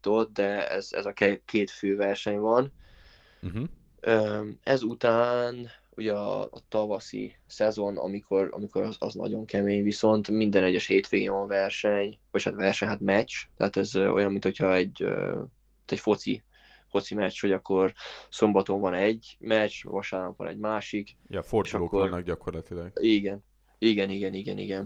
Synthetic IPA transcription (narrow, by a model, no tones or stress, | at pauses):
t̪o̞t̪̚d̪ɛɛ̰zɛ̰zɒkɛkeːt̪føːvɛrʃɛɲvɒn̩ | øːɛzut̪aːn | uɟɛɒːt̪ɒvɒsḭ | sɛzo̞nɒ̰mikʰo̞ɾɒ̰miko̞ɾɒzɒ̰znɒ̰ɟo̞ŋkɛmeːɲviso̞nt̪mind̪ɛnɛɟːɛʃheːt̪ʋeːɡeɲʋɒɱvɛrʃɛɲʋochat̪ʋɛrʃɛɲɦat̪mɛt͡ʃt̪ɛ̰aːt̪ɛzøo̞̰jɒmːint̪ho̞cʰhɒɛɟø̰ | t̪ɛcfo̞t̪sḭ | fo̞t̪simɛt͡ʃːho̞ɟɒkːo̞rso̞mbɒt̪o̞ɱvɒnɛɟːmɛt͡ʃvɒʃaːrnɒkvɒ̰nɛ̰ɟmaːʃik | jɛforʃɒkːornɛɡɟɒkorlɒt̪ilɛɡiɡɛn | iɡɛniɡɛniɡɛnḭɡɛn